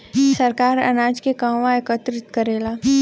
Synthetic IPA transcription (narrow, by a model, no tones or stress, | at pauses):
sɐɾkaːɾɐ̰naːd͡ʒkekãːʋãekət̪ɾɪt̪kɐɾeːlaː